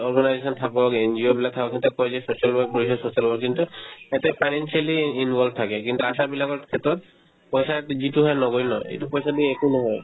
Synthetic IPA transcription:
ɔɾɡanajd͡ʑesɔnt̪ʰakɔkend͡ʑiobɛlat̪ʰakakʰet̪ɾekɔed͡ʑesoʃalwaɾk̚poɾiʃɔsoʃialwak̚kːint̪uɛt̪epʰajnensialiinʋʱɔlb̚t̪ʰakekint̪uaʃabilakɔkʰet̪ɔt̪ | pɔjsad͡ʑiʈuɦɔenɔɡojnɔḛʈupɔjʃad̪ieekunɔɦɔe

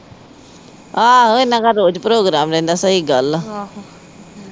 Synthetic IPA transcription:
aːɪnãːkaːɾoːd͡ʒpɾoːɡɾaːmɾɛ̃ːnd̪aːsəɦiːɡəl

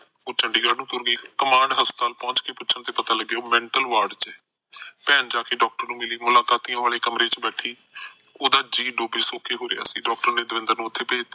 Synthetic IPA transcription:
oːt͡ʃəɳɖiːɡaːɾnũːt̪ʊɾɡeiːkəmãːɳɖɦəst̪aːlpɔ̃ːɲt͡ʃkeːpʊtːt͡ʃʃʰənt̪eːpət̪aːləɡeoːmɛ̃ːɳʈəlʋaːɾɖt͡ʃɛ | pɛːnd͡ʒaːkeːɖɔːk̚ʈəɾnũːmɪliːmʊlaːkaːt̪ijãːʋaːleːkəmɾeːt͡ʃbɛːʈʰiːoːd̪aːd͡ʒiːɖoːbiːsoːkeːɦoːɾḛa̰ːsĩːɖɔːk̚ʈəɾneːd̪əʋɪ̃nd̪əɾnũːʊt̪ʰːeːpeːt̪ː

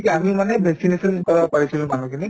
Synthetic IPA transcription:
kiamimanebʱeksinesɔnkɔɹbapaɹisʰilmanũkʰini

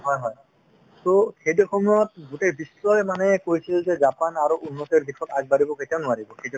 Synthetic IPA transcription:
ɦɔjɦɔj | tokʰejdɔkʰɔmuɹɔt̚ɡutebislɔjmanɛkojsilzɛzapanaɹuʔunːɔteɹd̪ikʰɔtazbaɹibɔketijanʊaɹibɔketɔ

